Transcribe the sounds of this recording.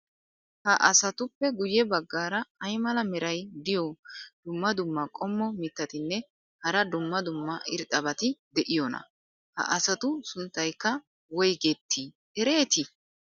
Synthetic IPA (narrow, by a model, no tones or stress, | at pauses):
hɐʔɐsɐt̪ʊpːɛɡʊjɛbɐɡːaːɾɐɐjmɐlɐmɛɾɐjd̪ɪjɔd̪̥ʊmːɐd̪ʊmːɐkʼɔmːɔmɪt̪ːɐt̪ɪnːɛ | hɐɾɐd̪ʊmːɐd̪ʊmːɐʔɪɾt̪ʼːɐbɐt̪ɪd̪ɛʔɪjɔnɐ̰ | hɐ̰ʔɐsɐt̪ʊsʊnt̪ːɐjkːɐ | wɔjɡet̪ːi | ɛɾe̞ːt̪ɪ